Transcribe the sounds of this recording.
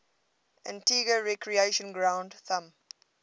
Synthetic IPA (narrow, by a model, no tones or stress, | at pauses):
ʔæ̰̃ntiːɡəɹɛkʰɹieʃə̃nɡɹãʊ̃ndθãm